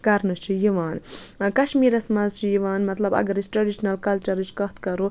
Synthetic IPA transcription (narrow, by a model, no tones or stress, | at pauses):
kɐɾnɨt͡ʃʰijiʋaːnkɐʃmiːɾɐsmɐzt͡ʃʰijiʋaːnmɐt̪lɐbɐ̰ɡɐɾisʈɾɐɖiʃnɐlkɐlt͡ʃɐɾit͡ʃkɐht̪kɐɾo